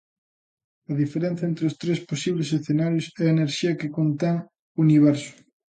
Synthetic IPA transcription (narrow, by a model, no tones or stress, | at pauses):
ɐðifeɾẽnθjɐent̪ɾeost̪ɾesposiβlesesθenaɾjʊsɛɐeneɾʃiɐkekont̪eŋ | uniβ̞ɛɾsʊ̥